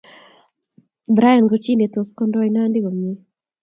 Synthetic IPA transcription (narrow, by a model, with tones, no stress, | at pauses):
bɾa˦ja˨nɡo˨t͡ʃi˦ne˨t̪o˨skɔ˦ndɔ˦ina˦ndɪ˦ɡo˨mɛ˦